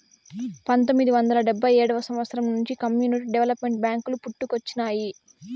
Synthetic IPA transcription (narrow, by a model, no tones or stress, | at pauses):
pɐnt̪omːid̪iʋɐnd̪ɐlɐɖɛbʱːɐjɛːɽɐʋɐsɐmʋɐt̪sʰɐɾɐmnuɲt͡ʃikɐmjuːniʈiɖeʋelɐpme̞ɳʈbjaːŋkulupuʈːukot͡ʃːinaːji